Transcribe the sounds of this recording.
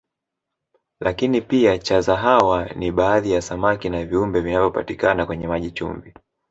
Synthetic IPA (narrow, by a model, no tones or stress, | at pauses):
lakinipiat͡ʃazaɦawaniɓaːðijasamakinaviumbɛvinavjɔpa̰tikanakwɛɲɛmaʄit͡ʃṵmbi